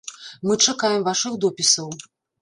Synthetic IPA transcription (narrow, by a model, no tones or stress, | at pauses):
mɨt͡ʂakajɛmvaʂɨxd̪ɔpʲisɐw